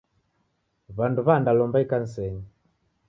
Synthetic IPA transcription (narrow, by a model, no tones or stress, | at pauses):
βanduβandalɔmbaikan̩sɛɲi